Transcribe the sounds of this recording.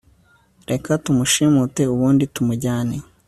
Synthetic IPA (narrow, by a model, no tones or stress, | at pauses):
ɾʔe̞katumuʃimute̞uβuːnditumuɟaːne